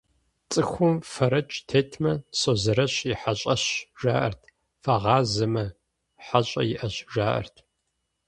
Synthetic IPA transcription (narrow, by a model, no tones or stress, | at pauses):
t͡sʼɨxʷʊmfɐɾɐt͡ʃʼtʰeːtʰmɐsoːzɐɾɐɕiħaɕʼɐɕʒaːʔɐ̰rtʰ | fɐʁɑːzɐmɐ | ħaɕʼɐ̰jɪʔɐɕʒaːʔɐ̰rtʰ